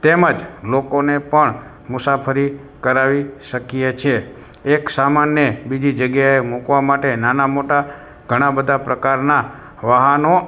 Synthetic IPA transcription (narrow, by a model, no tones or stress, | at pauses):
t̪eməd͡ʒlokonepəɳ | mʊsapʰəɾi | kəɾaʋiʃəkijet͡ʃʰe | eksamanːjəbid͡ʒid͡ʒəɡjaemukʋamaʈenanamoʈa | ɡ̥ʱəɽ̃abəd̪ʱapɾəkaɾna | ʋaɦəno